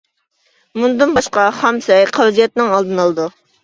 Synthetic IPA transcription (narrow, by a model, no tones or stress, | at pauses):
mund̪ɨnbɑʃqɑhɑmsɛjqʰɑld͡ʒijɛt̪nɪŋɑlˠd̪ɨnɑlˠɨd̪u